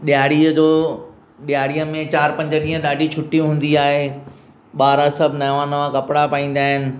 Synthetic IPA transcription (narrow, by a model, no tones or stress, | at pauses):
ɗjaːɽiəd͡ʑoː | ɗijaːɽiəmẽt͡ɕaːɾpɐ̃ɲd͡ʑəɗĩːɦə̃ɗaːɖʱit͡ɕʰʊʈːiɦũːn̆d̪iaːɦe | ɓaːɾəsɐbʱnɐʋãnɐʋãkɐpɪɽapaĩːnd̪aːɦɪnɪ̆